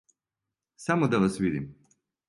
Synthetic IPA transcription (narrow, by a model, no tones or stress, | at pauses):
samod̪alasʋid̪im